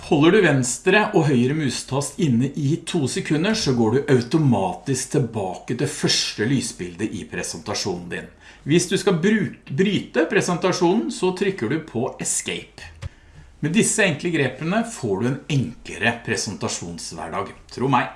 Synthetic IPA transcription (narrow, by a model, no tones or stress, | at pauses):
hɔlːəɖʉʋɛnst̪ɾəʔɔɦœʏəɾəmʉːst̪ʰɑst̪ɪnːəʔɪt̪ʰuːsɛkʰʉnːəʂɔɡoːɖʉʔɑʉt̪ʊmɑːt̪ɪskt̪ʰɪlbɑːkəd̪ɛfœʂʈəlyːsbɪld̪əʔɪpʰɾɛsənt̪ɑʂuːnn̩d̪ɪ̰n | ʋɪsd̪ʉskɑʉbɾyːt̪əpʰɾɛsənt̪ɑʂuːnn̩sɔt̪ʰɾʏkːəɖʉpʰɔɛskeɪp | mɛd̪ɪsːəɛŋkləɡɾeːpənəfoːɖʉɛːnɛŋkləɾəpʰɾɛsənt̪ɑʂuːnsʋæ̰ɖɑ̰ːɡt̪ʰɾuːmæɪ